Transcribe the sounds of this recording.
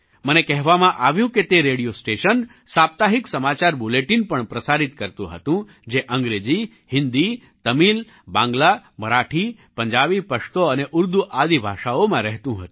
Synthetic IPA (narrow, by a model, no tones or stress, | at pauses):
mənekɛɦʋamãʔaʋjũket̪eɾeɽijosʈeʃən | sap̚t̪aɦiksəmat͡ʃaɾbuleʈinpəɳpɾəsaɾit̪kəɾt̪ũɦə̰t̪ũ | d͡ʒeʔəŋɡɾed͡ʒi | hɪnd̪i | t̪əmil | bãŋɡlaməɾaʈʰi | pəɲd͡ʒabipəʃt̪oəneʔʊɾd̪uʔad̪ibʱaʃaomãɾɛɦt̪ũɦət̪ũ